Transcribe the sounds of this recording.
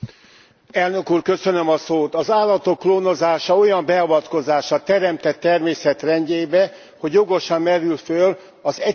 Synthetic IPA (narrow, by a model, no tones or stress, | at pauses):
ɛlnø̞kuːrkø̞sønømɒsoːt̪ɒzaːlːɒt̪o̞kːloːno̞zaːʃɒo̞jɒmbɛɒvɒt̪ko̞zaːʃɒt̪ɛɾɛmt̪ɛt̪ːɛrmeːsɛt̪rɛɲɟeːbɛ | ho̞ɟjo̞ɡo̞ʃɒmːɛɾylføl | ɒzɛ